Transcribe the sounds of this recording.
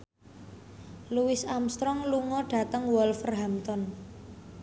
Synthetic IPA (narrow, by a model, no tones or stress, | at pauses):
luwɪsamst̪ɾɔŋluŋɔɖ̥ä̤t̪əŋwɔlfərɦamt̪ɔn